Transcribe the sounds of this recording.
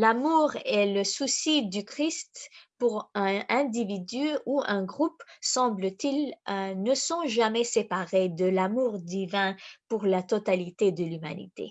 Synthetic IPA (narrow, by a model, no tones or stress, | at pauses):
lamuʁɛləsusid̪ykχist̪puʁɛ̃ɛ̃d̪ivid̪yuɛ̃ɡʁupsɑ̃blət̪ilnəsɔ̃ʒamɛsepaʁed̪əlamuʁd̪ivɛ̃puʁlat̪ɔt̪alit̪ed̪əlyma̰nḭt̪ḛ